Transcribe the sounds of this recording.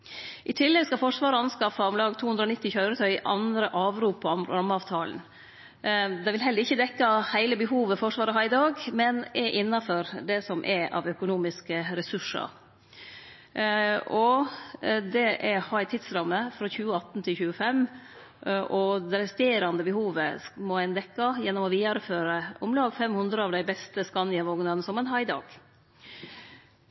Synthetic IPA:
ʔɪt̪ʰɪlːɛɡskɑfɔʂʋɑːɾəɑnskɑfɑɔmlɑːɡt̪uːʉnd̪ɾɔnɪt̪ːɪçœʏɾət̪ʰœʏɪʔɑnd̪ɾəʔɑːʋɾuːpəɑnɾɾɑmːɑːʋt̪ʰɑːln̩ | d̪ɛʋɪlɦɛlːəɾɪçːəd̪ɛkːɑhæɪləbəɦuːʋəfɔʂʋɑːɾəɦɑɪd̪ɑːɡmɛnɛʔɪnːɑfɔɾd̪ɛsɔmʔɛʔɑ̰ʋœkʊnuːmɪskəɾɛsʉʂɑ̰ɾ | ɔ | d̪ɛʔɛhɑɪt̪ʰɪd̪sɾɑmːəfɾɑːçʉːəɑt̪n̩t̪ʰɪlçʉːəfɛm | ʔɔd̪ɛɾɛst̪eːɾɑnd̪əbəhuːʋəmɔɛɪnd̪ɛkːɑjɛnːɔmɔʋiːɑɾəføːɾəʊmlɑːɡfɛmhʉnd̪ɾəɑːʋd̪æɪbɛst̪əskɑnɪɑʋoːɡnənəsɔmɛnɦɑɪd̪ɑ̰ːɡ̥

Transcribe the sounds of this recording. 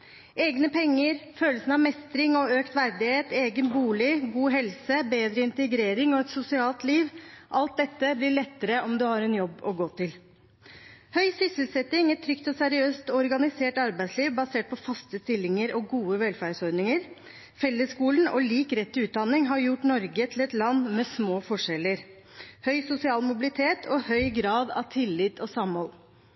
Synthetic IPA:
eːɡnəpʰɛŋːəɾføːləsən̩ɑʋmɛst̪ɾɪŋɔøːkt̪ʋæɾd̪ɪheːt̪eːɡənbuːlɪɡuːɦɛlsəbeːd̪ɾəɪnt̪əɡɾeːɾɪŋɔɛt̪sʊsɪɑːlt̪liːʋʔɑlt̪̚d̪ɛt̪ːəblɪɭɛt̪ːəɾəɔmd̪ʉhɑɾɛnjɔbːɔɡoːt̪ɪl | hœʏsʏsəlsɛt̪ɪŋɛt̪t̪ʰːɾʏkt̪ɔsæɾɪøːst̪ɔɾɡɑnɪseːʈɑɾbæɪt̪sliːʋbɑseːʈ̚pʰɔfɑst̪əst̪ɪlːɪŋəɾɔɡuːəʋɛlfæɖsɔɾnɪŋəɾ | fɛlːəskuːlnɔliːkɾɛt̪ːʉːt̪̚d̪ɑnɪŋɦɑɾjʊʈnɔɾɡət̪ʰɪlɛt̪lɑnːmɛsmoːfɔʂɛləɾ | hœʏsʊsɪɑːlmʊbɪlɪt̪ʰeːt̪ʰɔhœʏɡɾɑːd̪ɑ̰ʋt̪ʰɪlːɪt̪ʰɔsɑmhɔl

